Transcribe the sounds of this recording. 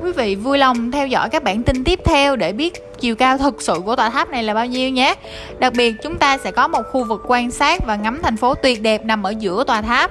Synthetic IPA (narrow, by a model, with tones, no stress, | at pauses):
kwi˨˦vḭ˧˨vu˧jlə˨˩wŋ͡mt̪ʰɛ˧wzɔ̰˧˥jkaː˦˥k̚ɓaː˧˩nt̪ï˧ŋ̟t̪i˦˥əp̚t̪ʰɛ˧wɗe˧˩ɓi˦˥ət̚t͡ɕi˨˩əwkaː˧wt̪ʰɨ˨˩k̚sɨ̰˧˨ku˧˩ət̪waː˨˩t̪ʰaː˦˥p̚na˨˩jlaː˨˩ɓaː˧wɲi˧əwɲɛ˨˦ | ɗa˨˩k̚ɓi˨˩ət̚t͡ɕʊ˨˦ŋ͡mt̪aː˧sɛ̰˧˥kɔ˨˦mo˨˩t̚xu˧vɨ˨˩kːwaː˧nsaː˦˥k̚vaː˨˩ŋa˨˦mt̪ʰɛ˨˩jŋ̟fo˨˦t̪wi˨˩ət̚ɗɛ˨˩p̚na˨˩mʔəː˧˩zɨ̰˧˥ət̪waː˨˩t̪ʰaː˦˥p̚